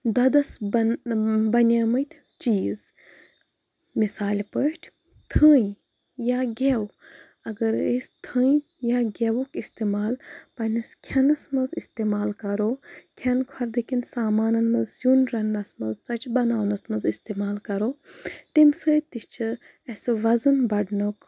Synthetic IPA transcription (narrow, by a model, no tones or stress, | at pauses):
d̪ɐd̪ɐs | bɐnaːmɐt̪ʲʰ | t͡ʃiːz | misaːlʲpəʈʲʰ | t̪ʰəːj | jaːɡʲew | ɐɡɐɾesʲt̪ʰə̃ː | jaɡʲewukist̪eːmaːlpɐnʲɐskʲʰɐnɐsmɐzist̪eːmaːlkɐɾoːkʲʰɐnkʰɐɾd̪ikʲinsaːmaːnɐnmɐzzunɾɐnːɐsmɐzt͡sɐt͡ʃbɐnaːwnɐsmɐzist̪emaːlkɐɾoːt̪imsəːt̪iʃt͡ʃʰɨ | ɐsʲʋɐzɐnbɐɖnok